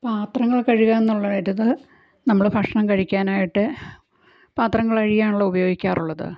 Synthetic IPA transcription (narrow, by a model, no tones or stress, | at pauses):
paːt̪rɐŋːɐɭkɐɻiɣaːenːuɭːaːjiɾɐðɨ | nɐmːɐɭɨbʱɐkʂɐɳɐmkɐɻikʲːaːnaːjiʈːɨ | paːt̪rɐŋːɐɭɐɻijaːɳuɭːɐubɐjo̞ːɡikʲːaːruɭːɐðɨ̰